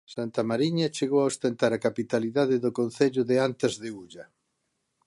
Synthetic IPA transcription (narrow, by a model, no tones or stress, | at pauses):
sant̪ɐmaɾiɲɐt͡ʃeɣowaost̪ent̪aɾakapit̪aliðaðɪðʊkonθeʎʊðeant̪ɪzðeuʎɐ